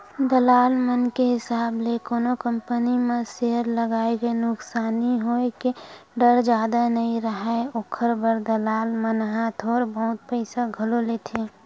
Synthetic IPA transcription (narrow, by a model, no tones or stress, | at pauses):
d̪əlaːlmənkeɦɪsaːblekoːnokəmpənimẽseɦəɾləɡaːeɡenʊksaːniɦoekeɖəɾd͡ʒjaːd̪anəĩɾəɦɛoːkʰəɾbəɾd̪əlaːlmənɦãt̪ʰɔːɾbəɦʊt̪̚pəɪsaɡʱəlolet̪ʰeː